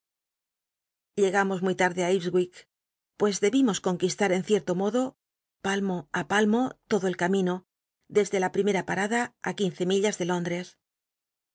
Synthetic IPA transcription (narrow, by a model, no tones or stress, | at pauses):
ʎe̞ɣamo̞zmujt̪aɾðe̞aizɣwik | pwe̞zðe̞βimo̞sko̞ŋkist̪aɾe̞nθje̞ɾt̪o̞mo̞ðo̞ | palmo̞apalmo̞t̪o̞ðo̞e̞lkamĩno̞ | ðe̞zðe̞lapɾime̞ɾapaɾaðaːkin̟θe̞miʎazðe̞lo̞nd̪ɾe̞s